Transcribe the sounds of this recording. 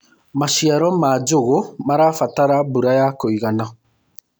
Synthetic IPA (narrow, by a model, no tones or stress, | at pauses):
maʃiaɾɔmad͡ʒoɣomaɾafataɾabuɾajakoiɣana